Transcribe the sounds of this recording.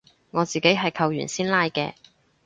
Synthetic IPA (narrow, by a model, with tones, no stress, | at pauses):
ŋɔː˨˧t͡siː˨ke˨˥jɦɐ˨jkʰɐ˧wjy̰ː˨˩nsiː˥nlaː˥jkɛː˧